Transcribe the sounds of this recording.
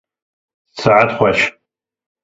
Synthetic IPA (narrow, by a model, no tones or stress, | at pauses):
t͡sʰaʕatχʷaʃ